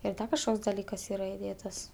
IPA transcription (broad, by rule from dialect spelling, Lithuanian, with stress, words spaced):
ɪr ˈdɐ kɐʃˈkoːks dɐˈlʲiːkɐs ˈiːrɐ ɪˈdʲeːtɐs